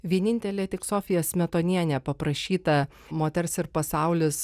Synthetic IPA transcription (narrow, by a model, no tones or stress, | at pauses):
ʋʲiɛnʲɪnʲt̪ʲɛlʲeːt̪ʲɪksoːfʲɪjoːsmʲɛt̪oːnʲiɛnʲɛːpɐpɾɐʃʲiːt̪ɐ | moːt̪ʲɛɾsɪɾpɐsɑˑʊlʲɪs